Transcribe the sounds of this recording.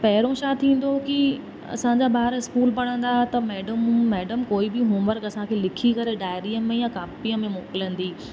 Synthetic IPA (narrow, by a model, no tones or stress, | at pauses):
pɐɦɪɾõʃaːt̪ʰĩːn̆d̪oki | ɐ̰sãɲd͡ʑaːbaːɾɪskuːlpɐɽ̤ə̃nd̪aːɦet̪ɐmɛːɖəmːɛːɖəmkoːibɪɦʊ̃məɾkɐsãkʰeːlɪkʰikɐɾeɖaːɪɾiːəmẽjakaːpiəmẽmoːkɪlə̃nd̪iː